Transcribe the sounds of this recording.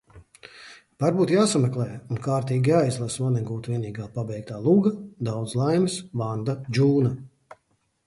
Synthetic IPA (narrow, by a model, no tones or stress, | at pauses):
vaɾbuːt̪jaːsamɛklˠɛjunkaːɾt̪iːɡʲiajzlˠasmaniɡuːt̪vʲiɛniːɡaːpabɛjk̚t̪aːlˠuɡɐd̪awd̪slˠajmisvand̪ad͡ʒuːna